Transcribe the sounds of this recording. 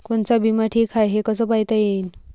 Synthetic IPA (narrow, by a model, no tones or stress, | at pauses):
koɳt͡sabimaʈʰiːkʰajɦekəsəːpaɦjt̪ajen